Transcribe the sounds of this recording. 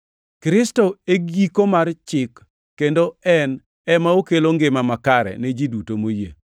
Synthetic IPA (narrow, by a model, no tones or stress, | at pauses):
kɾɪstoeɡikomart͡ʃɪkː | endoɛn | ɛmaokeloŋɡɪmamakaɾɛ̰ned͡ʒidutomojḛ